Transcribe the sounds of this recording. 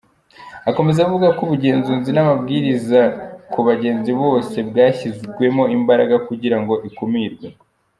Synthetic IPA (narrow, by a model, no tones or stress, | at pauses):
ako̞me̞zavuɡakuβuɟe̞ːnzunzinamabɡiːɾizakuβaɟe̞ːnziβo̞ːse̞bɡaːçizɡwe̞mo̞imbaɾaɡakuɟiɾaŋɡo̞ʔikumiɾɡwe